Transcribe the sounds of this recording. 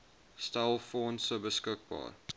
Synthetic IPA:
staɪlˠfɔːnsəbəskək̚bɑ̰ːɾ

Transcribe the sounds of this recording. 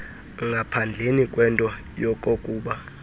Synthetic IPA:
ŋɡʱapʰand͡ɮʱenikʼwɛntʼɔ | jɔkʼokʼuːɓa

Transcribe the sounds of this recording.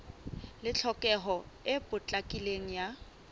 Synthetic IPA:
lɪt͡ɬʰɔkʼɛɦɔɪpʼʊt͡ɬʼakʼileŋ̩ja

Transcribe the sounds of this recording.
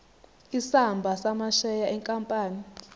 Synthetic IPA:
isambʱasamaʃɛjaʔɛŋkʼampʼaːni

